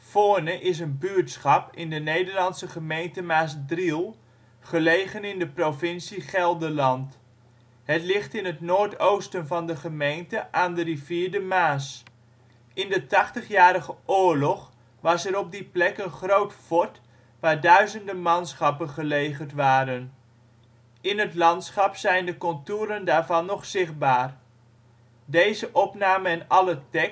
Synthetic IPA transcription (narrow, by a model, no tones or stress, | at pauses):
foːnəʔɪs̬ənbyɹtsχɑpɪndənejdəɹlɑnsəχəmejntəmaːsdrilˠ | χəlejχənɪndəprofɪnsiχɛlˠdəlɑnt | hətlɪχtɪnətnoːɹtowstənvɑndəχəmejntəʔaːndəriviːɹdəmaːs | ɪndətɑχtəχjaːɾəχəʔʊːɹlɔχ | ʋɑsɛɾɔb̚diplɛkənχrowtfɔɹt | ʋaːɹdœɥzəndəmɑnsχɑpənχəlejχəɹtʋaːɾən | ɪnɦətlɑntsχɑpsɛjndəkɔntuːɾəndaːɹvɑnːɔχsɪχd̚baːr | dejzəʔɔpnaːməɛnɑlətɛk